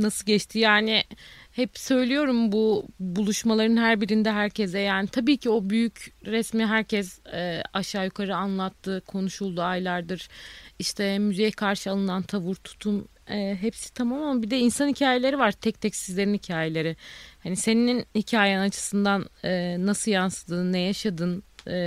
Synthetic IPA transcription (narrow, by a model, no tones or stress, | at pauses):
nasɯlˠɟɛt͡ʃt̪ʰijaːnɪhɛpsø̞jlʲijo̞ɾumbubulˠuʃmalˠaɾɯnɦæɾbiɾind̪ɛɦæɾcʰɛzɛjaːnit̪ʰabiːcʰio̞byjycɾɛsmiɦæɾcʰɛzɛːaʃaːjukʰaɾɯanlˠat̪ʰːɯkʰo̞nuʃulˠd̪uajlˠaɾd̪ɯɾ̥iʃt̪ʰɛmyzɛjkʰaɾʃɯalˠɯnant̪ʰavuɾt̪ʰu̥t̪ʰum | ɛːɦɛpsi̥t̪ʰamamamabid̪ɛinsanhicʰaːje̞lʲe̞ɾivaɾ̥t̪ʰɛc̚t̪ʰɛcsizlʲe̞ɾinhicʰaːjelʲe̞ɾɪhanise̞nininhicʰaːjɛnat͡ʃʰɯ̥sɯnd̪anːasɯjansɯd̪ɯnːɛjaʃad̪ɯnː